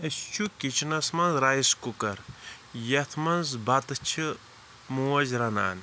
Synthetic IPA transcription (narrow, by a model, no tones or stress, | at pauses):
ɐst͡ʃʰukit͡ʃʰinɐsmɐnzɾaːiskukɐɾ | jɐt̪ʰmɐnzbɐt̪ɨt͡ʃʰi | muwɐzɾɐna̰ːn